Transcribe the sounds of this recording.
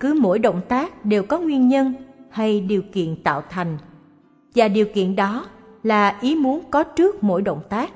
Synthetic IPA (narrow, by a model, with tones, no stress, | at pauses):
kɨ˨˦mo̰˧˥jɗo̰˧˨wŋ͡mt̪aː˦˥k̚ɗe˨˩wkɔ˨˦ŋwi˧ənɲə˧nha˧jɗi˨˩əwkḭ˧˨ənt̪a̰ː˧˨wt̪ʰa˨˩jŋ̟ | vaː˨˩ɗi˨˩əwkḭ˧˨ənɗɔ˨˦laː˨˩ʔi˨˦mu˨˦ənkɔ˨˦t͡ɕɨ˦˥ək̚mo̰˧˥jɗo̰˧˨wŋ͡mt̪aː˦˥k̚